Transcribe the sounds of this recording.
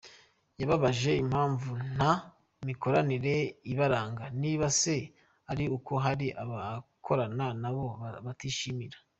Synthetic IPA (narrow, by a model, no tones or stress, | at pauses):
jaβaβaʒe̞imhaːɱvun̥a | miko̞ɾaniɾe̞iβaɾaːŋɡaniːβase̞ | aɾiuko̞ɦaɾiʔaβakʰo̞ɾananaβo̞βatiʃimiɾḁ